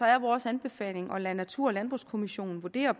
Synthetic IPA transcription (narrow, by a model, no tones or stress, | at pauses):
ɒ̽æɐʋɒːsænb̥e̝fɛ̰ːle̝ŋʔɒ̽lænæt͡sʰuɐ̰ɒlænb̥ʁuskʰo̝miɕo̝̰ːn̩ʋuɐd̥e̝̰ːɐ